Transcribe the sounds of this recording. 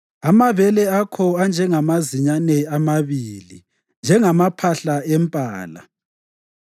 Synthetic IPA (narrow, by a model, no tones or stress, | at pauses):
amaβɛlɛakʰɔand͡ʒʱɛŋamaziɲanɛamaβiːli | nd͡ʒʱɛŋamapʰaɬaɛmpʼaːla̰